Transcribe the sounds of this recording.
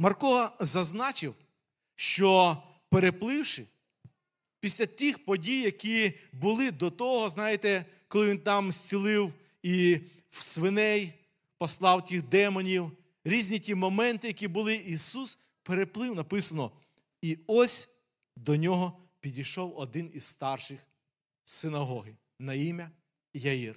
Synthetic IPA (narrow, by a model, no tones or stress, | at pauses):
mɐrkɔzɐznɑt͡ʃɪw | ʃt͡ʃɔ | peɾeplˠɪwʃɪ | pʲisʲlʲɐt̪ʲixpɔdʲijːɐkʲibʊlˠɪd̪ɔt̪ɔɦɔznɑjɪt̪ɛ | kɔlˠɪʋʲint̪ɑmsʲt͡sʲilˠɪw | i | wsʋɪnɛj | pɔslˠɑwtʲixd̪ɛmɔnʲiw | ɾʲizʲnʲitʲimɔmɛnt̪ɪjɐkʲibʊlˠɪisus | peɾeplˠɪwnɐpɪsɐnɔ | iɔsʲ | d̪ɔnʲɔɦɔpʲidʲijʃɔwɔd̪ɪniz̥st̪ɑrʃɪx | sɪnɐɦɔɦɪ | nɐimʲɐ | jɐir